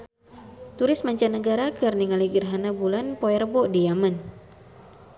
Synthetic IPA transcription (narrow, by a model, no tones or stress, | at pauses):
t̪uɾɪsmaɲt͡ʃanəɡaɾakɨrniŋaliɡərɦanabulanpoɛrbɔʔdiaman